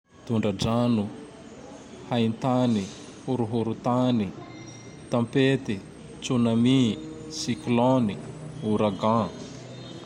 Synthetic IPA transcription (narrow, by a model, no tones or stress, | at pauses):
t̪uɳɖ͡ʐaɖ͡ʐanu | haint̪ani | huɾuɦuɾut̪ani | t̪ãmpet̪i | t͡sunamisiklɔniuɾaɡã